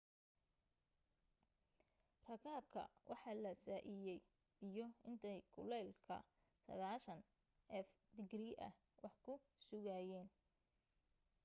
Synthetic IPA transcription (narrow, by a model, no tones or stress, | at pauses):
rɐkʰaːb̚kʰɐ̰wʔɑħɑːlɐsaːʔɪjɛj | b̥ɪjɔɪnt̪ʰɛjkʰʊlɛlkʰɐ̰ | sɐ̰ɣaːʃɐn | ɛf | d̪ɪɡriːʔɐ̰h | wɑħkʰʊ | sʊɣaːjɛːn